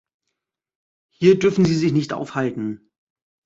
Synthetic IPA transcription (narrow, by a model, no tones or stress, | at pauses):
hiːɐdʏɐfn̩ziːzɪçnɪçtʔa̰ʊfhaltn̩